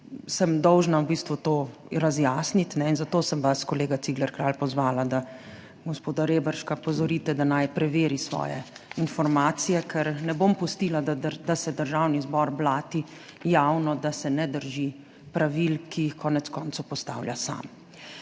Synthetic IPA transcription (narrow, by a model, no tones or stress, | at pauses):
səmd̪ɔwʒnawbist̪ʋut̪oː | ɾazjaːsnit̪nɛinzat̪oːsəmʋaskɔleːɡat̪siɡlɛɾkɾalpɔzʋaːlad̪a | ɡospoːd̪aɾebəɾʃkapɔzɔɾit̪ɛd̪anajpɾɛʋeːɾisʋɔ̰ːjɛ̰infɔɾmaːt̪sijɛkʰɛɾnɛbompɔst̪ilad̪ad̪asɛd̪əɾʒawnizbɔɾblaːt̪i | jawnɔd̪asɛnɛd̪əɾʒi | pɾaʋilkʰijixkɔːnɛt̪skɔːnt̪owpɔst̪a̰ːwljasa̰m